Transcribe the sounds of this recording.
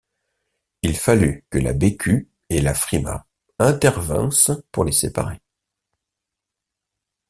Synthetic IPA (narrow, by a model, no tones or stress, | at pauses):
ilfalykəla̰bekʲʰy | elafχima̰ | ɛ̃t̪ɛʁvɛ̰̃spuʁlesepa̰ʁe